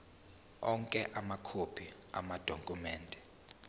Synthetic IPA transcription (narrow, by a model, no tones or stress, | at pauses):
ɔŋkʼɛʔamakʰopʰi | a̰mad̥ʱoŋkʼumɛːndʱɛ